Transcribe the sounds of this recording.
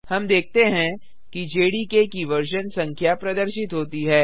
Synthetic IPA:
hɐmd̪eːk̚t̪eɦɛ̃ | kid͡ʒeːɽikekiʋɐɾʃənsɐ̃ŋkʰjapɾɐd̪əɾʃɪt̪ɦoːt̪iɦɛː

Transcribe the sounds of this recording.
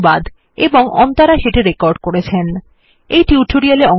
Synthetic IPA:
bad̪ | eboŋʔɔ̰nt̪aɾaʃeʈiɾekɔɾɖkoɾet͡ɕʰen | ejʈiuʈʰoɾialeɔ

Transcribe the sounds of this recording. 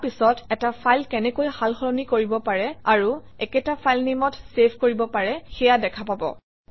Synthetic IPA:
pisɔtɛtapʰajlkɛnɛkojhalxɔɹɔnikoɹibɔpaɹɛaɹu | ɛkɛtapʰajlnimɔtsepʰkoɹibɔpaɹɛxɛjadɛkʰapabɔ̰

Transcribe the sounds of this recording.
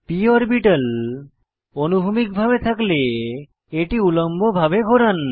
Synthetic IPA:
pioɾbiʈəl | onubʱumik̚bʱabet̪ʰakle | eʈiulɔmbʱɔbʱabeɡʱɔɾan

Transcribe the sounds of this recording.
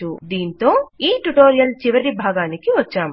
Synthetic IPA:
ud̪iːnt̪o̞ːiːʈuʈo̞ːɾijɐlt͡ʃiʋɐɾibʱaːɡaːnikiʋɐt͡ʃːaːm

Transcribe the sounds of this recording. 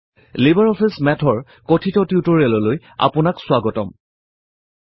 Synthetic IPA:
libaɹɔpʰismɛtʰɔɹ | kotʰitɔtiutɔɹɛlɔloj | a̰pʊnaksʊaɡɔtɔ̰m

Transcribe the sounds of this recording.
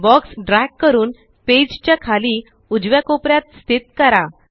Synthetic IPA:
bɔksɖɾakːəɾuːn | ped͡ʑt͡ɕjakʰaliː | ud͡ʑʋjakopɾjat̪st̪ʰit̪kəɾa

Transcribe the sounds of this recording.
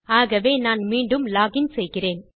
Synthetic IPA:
aːɣɐʋeːnaːnmiːɳɖɯmlaːɣɪnsɛjɣɪreːn

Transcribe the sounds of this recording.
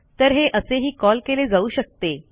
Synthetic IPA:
t̪əɾɦeʔəseɦiːkɔlkeled͡zauːɕək̚t̪e

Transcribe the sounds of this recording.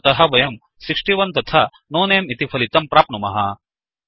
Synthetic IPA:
t̪ɐɦɐʋɐjɐm | sikʂʈiʋɐnt̪ɐt̪ʰɐ | noːneːmit̪ipʰɐlit̪ɐmpɾaːp̚numɐɦɐ̰

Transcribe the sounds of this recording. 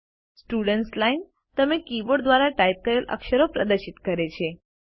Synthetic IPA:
sʈuɽəɳʈslain | t̪əmekiboɽd̪ʋaɾaʈajp̚kəɾelʔə̰kɕəɾopɾəd̪əɾɕit̪kəɾet͡ɕe

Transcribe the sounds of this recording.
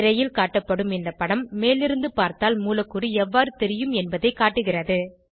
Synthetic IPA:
ɾɐjɪlkaːʈːɐpːɐɽɯmɪnd̪ɐpːɐɽɐmːeːlɪɾɯnd̪ɯpaːɾt̪aːlmuːlɐkːuɾiɛʋːaːɾɯt̪ɛɾɪjɯmɛnbɐðɐɪkaːʈːɯɣɪrɐðɯ

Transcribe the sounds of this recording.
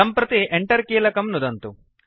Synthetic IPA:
ɐmpɾɐt̪iʔeɳʈɐɾkiːlɐkɐmnud̪ɐnt̪u

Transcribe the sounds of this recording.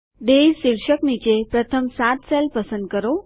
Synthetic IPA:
ɖ̪ejsiɭɕəknit͡ɕepɾət̪ʰəmsat̪sɛlpəsənd̪̚kəɾo

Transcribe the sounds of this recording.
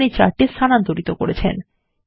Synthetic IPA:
nit͡ɕa̰ɾʈesanant̪oɾit̪oko̰ɾet͡ɕʰḛn

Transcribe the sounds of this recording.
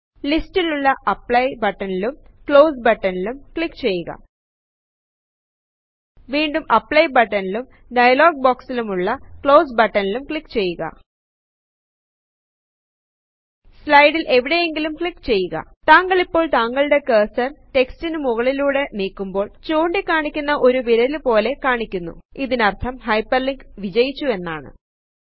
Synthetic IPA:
listiluɭːɐʔɐpːɭɐjbɐʈːɐnilumkɭo̞ːsbɐʈːɐnilumkɭikːt͡ɕe̞jːuɣɐ̰ | ʋiːɳɖumɐpːɭɐjbɐʈːɐnilum | ɖɐjɐloːɡ̚boːksilumuɭːɐkɭo̞ːsbɐʈːɐnilumkɭikːt͡ɕe̞jːuɣɐ̰ | slɐjɽilʔe̞ʋiɽe̞je̞ŋɡilumkɭikːt͡ɕe̞jːuɣɐ̰t̪aːŋɡɐɭipːo̞ːɭt̪aːŋɡɐɭɨɽe̞keːsɐrʈe̞kstinɨmuɣɐɭiluːɽe̞niːkːumbo̞ːɭt͡ɕoːɳɖikːaːɳikʲːunːɐʔo̞ɾuʋiɾɐilpo̞ːle̞kaːɳikʲːunːṵiðinɐrt̪ʰɐmhɐjpːɐrliŋɡʋid͡ʑɐjit͡ɕːue̞nːaːɳɨ̰

